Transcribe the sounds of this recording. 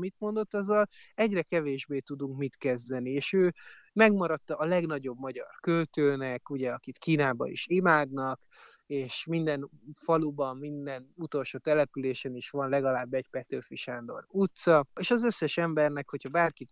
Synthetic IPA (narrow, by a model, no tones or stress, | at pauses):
mit̪mo̞nd̪o̞t̪ːɒzːɒlɛɟrɛkɛveːʒbeːt̪ud̪uŋkmit̪kɛzd̪ɛnieːʃøː | mɛɡmɒɾɒt̪ːɒʔːlɛɡnɒɟo̞bmɒɟɒ̰rkølt̪øːnɛkuɟɛɒkit̪kiːnaːbɒ̰ḭʃimaːd̪nɒk | eːʃmind̪ɛnfɒlubɒmmind̪ɛnut̪o̞lʃoːt̪ɛlɛpyleːʃɛniʃʋɒnlɛɡɒlaːbːɛɟpɛt̪øːfiʃaːnd̪o̞̰ɾut̪sɒeːʃɒzø̞sːɛʃɛmbɛrnɛkho̞cʰhɒbaːrkit̪